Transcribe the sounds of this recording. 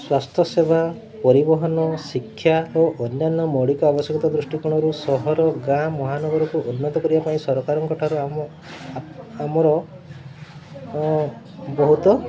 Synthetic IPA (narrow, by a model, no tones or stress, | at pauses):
swast̪ʰjɔseba | pɔɾibɔɦɔnɔsikʰːjaoʔɔnjanːɔmɔɽikɔabɔsjɔɡɔt̪ad̪ɾusʈikuɽ̃ɔɾusɔɦɔɾɔɡãmɔɦanɔɡɔɾɔkuʔunːɔt̪ɔkɔɾibapaĩsɔɾɔkaɾɔŋkɔʈʰaɾua | amɔɾɔ | bɔɦut̪ɔ